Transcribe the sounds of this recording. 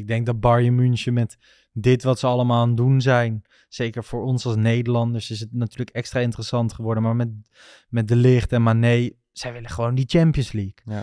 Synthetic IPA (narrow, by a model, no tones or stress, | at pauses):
ɪɡ̚dɛŋk̚dɑt̚bɑɹjəmynʃəmɛt | dɪtʋɑtsəɑləmaːlˠandunzɛjn | z̥ejkəɹfoːɹɔnsɑlˠsnejdəɹlɑndəɹsɪs̬ətnatyːɹləkɛkstraɪntərəsɑntχəʋɔɹdənmaːɹmɛt | mɛt̚dəlɪχtɛnmanej | sɛjʋɪləχəʋowndit͡ʃɛmpjənslik